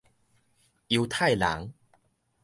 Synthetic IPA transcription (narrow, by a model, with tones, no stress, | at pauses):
ju˧wt̪ʰa˥˨jla̰˨˦ŋ